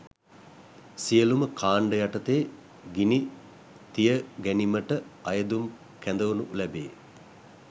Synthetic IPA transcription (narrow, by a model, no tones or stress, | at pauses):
sijəluməkʰaːɳɖəjaʈət̪eː | ɡini | t̪ijəɡæniməʈəɐjəd̪um | kænd̪əʋunulɛbḛː